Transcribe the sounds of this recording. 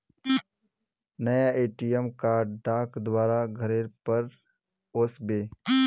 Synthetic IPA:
nɐjaeːʈiəmkaɖɖaːkd̪waːɾaɡʱəɾeːɾpəɾ | oːsbeː

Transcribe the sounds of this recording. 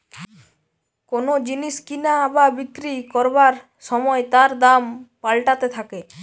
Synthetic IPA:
konod͡ʑiniʃkinababit̪ːɾikɔɾbaɾ | ʃɔmɔet̪aɾd̪ampalʈat̪et̪ʰake

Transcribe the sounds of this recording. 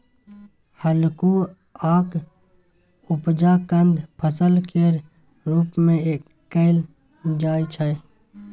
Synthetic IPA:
həlku | aːk | upd͡ʒakənd̪ʱpʰəsəlkeɾ | ɾuːpmẽekːəɪl | d͡ʒaːjt͡ʃʰə

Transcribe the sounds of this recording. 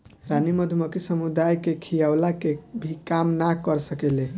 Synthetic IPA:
ɾaniməd̪ʱuməkisəmud̪ajkekʰijawlakebʱikamnakəɾsəkele

